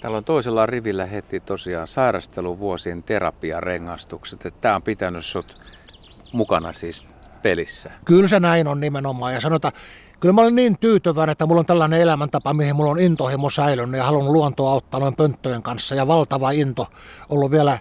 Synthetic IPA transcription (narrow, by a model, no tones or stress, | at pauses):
t̪æːlːonʲt̪oˑiselːɑriʋilːæhet̪ːˑit̪osiɑ̰ːsɑˑirɑst̪eluʋuosient̪erɑ̰piɑ̰rḛŋːɑst̪ukset̪et̪t̪æːompit̪ænyssot̪ | mukɑnɑ̰siːs | pelisːækylsenæinonnimenomˑɑːjɑsɑnoet̪ːæ | kylmæolenniːnt̪yːt̪yʋæˑenet̪ːæmulːont̪ælːæˑneelæmænt̪ɑpɑmihimulːonint̪ohimosæilynːyjɑhɑlunːulluont̪oɑot̪ːɑːnoimpønt̪ːøjeŋkɑnsːɑjɑʋɑlt̪ɑʋɑint̪o | ʔolːuʋielæ